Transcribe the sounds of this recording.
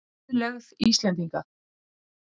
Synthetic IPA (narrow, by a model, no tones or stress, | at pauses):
lɛɣðiːst̪lɛnt̪̬iŋka